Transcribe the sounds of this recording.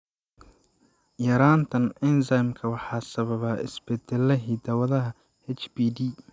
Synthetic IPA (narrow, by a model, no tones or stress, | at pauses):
jɐɾaːnt̪ʰɐnɪnsajmkʰɐwɑħɑːsɐβɐβɐːʔɪ̰sb̥ɛd̪ɛlːɐɦiːd̪ɐwɐðɐɦɐ | ɛt͡ʃbiːdi